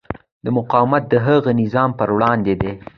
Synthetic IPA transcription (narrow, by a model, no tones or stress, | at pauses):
d̪əmʊqɑwɪmat̪̚d̪əɦəɣənɪzɑmpəɾwɽɑnd̪ed̪e